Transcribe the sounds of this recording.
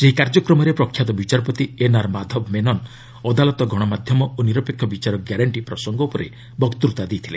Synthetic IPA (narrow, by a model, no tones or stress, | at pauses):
seɦikaɾd͡ʒɔkɾɔmɔɾepɾɔkʰːjat̪ɔbit͡ʃaɾɔpɔt̪ienaɾmad̪ʱɔbmenɔn | ɔd̪alɔt̪ɔɡʱɔɽ̃ɔmad̪ʱjɔmɔʔoniɾɔpekʰːjɔbit͡ʃaɾɔɡjaɾaɳʈipɾɔsɔŋɡɔupɔɾḛ | bɔkt̪uɾt̪ad̪ejt̪ʰilḛ